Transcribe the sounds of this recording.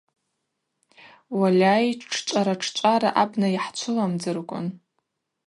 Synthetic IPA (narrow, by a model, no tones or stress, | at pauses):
walʲajʈ͡ʂʰt͡ʃʷʼaɾaʈ͡ʂʰt͡ʃʷʼaɾa̰ʔabnajiħt͡ʃʷʰʊlamd͡zɨrkʷʼʊ̰n